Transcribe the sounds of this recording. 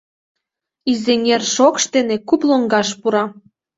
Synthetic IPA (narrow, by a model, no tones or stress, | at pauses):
izenʲerʃokʃt̪enekuploŋɡɑʃpuɾɑ